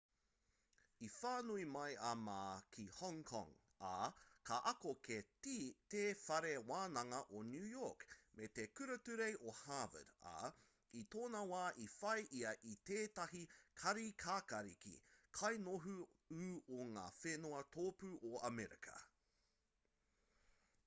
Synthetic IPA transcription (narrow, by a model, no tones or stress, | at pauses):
ifaːnuimɐjʔɐmaːkʰihɔŋkʰɔ̰̃ŋ | akʰɐʔɐkoketit̪eːfɐɾewaːnɐŋɐʔonjʉːjokmet̪ekʉɾɐtʉɾejʔohaːvə̰da̰ | it̪oːnɐwaːʔifɐjʔiɐʔit̪eːtɐɦikʰɐɾikʰaːkɐɾḭkḭkʰɐjnoɦu | ʉːoŋa̰ːfenoɐt̪ʰoːpʉʔoɐmɛɾḭkʰɐ̰